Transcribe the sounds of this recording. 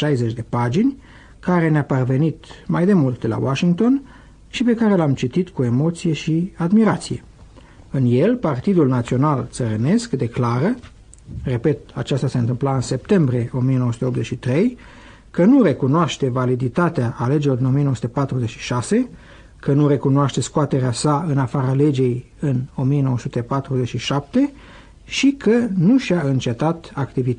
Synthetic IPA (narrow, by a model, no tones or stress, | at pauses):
ʃajze̞t͡ʃʲd̪e̞pad͡ʒinʲ | kaɾe̞neaparve̞nit̪majd̪e̞mult̪̚d̪e̞la̰waʃiŋkt̪o̞n | ʃipe̞kaɾe̞lamt͡ʃit̪it̪kue̞mo̞t̪sije̞ʃiad̪miɾat̪sije̞̰ | ɨnje̞lpart̪id̪ulnat̪sio̞nalt̪səɾene̞skd̪e̞klaɾə | re̞pe̞t̪̚a̰t͡ʃast̪aseɨnt̪ɨmplaɨnse̞p̚t̪e̞mbɾije̞ʔo̞mije̞noəsu̥t̪eo̞pze̞t͡ʃʃit̪ɾe̞j | kənure̞kunoaʃt̪e̞valid̪it̪at̪eaʔːle̞d͡ʒelord̪ino̞mijenoəsut̪epat̪ɾuze̞t͡ʃʃi̥ʃase̞ | kənuɾe̞kunoaʃt̪e̞skoat̪e̞ɾeasaɨnafaɾale̞d͡ʒe̞j | ɨno̞mije̞no̞wəsut̪e̞pat̪ɾuze̞t͡ʃʃiʃap̚t̪e̞ | ʃikʰənuʃiaɨnt͡ʃe̞t̪at̪akt̪ivit̪